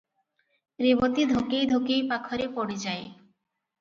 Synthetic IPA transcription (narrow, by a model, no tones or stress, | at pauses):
ɾibot̪id̪ʱokejd̪ʱokejpakʰɔɾepoɽid͡ʑae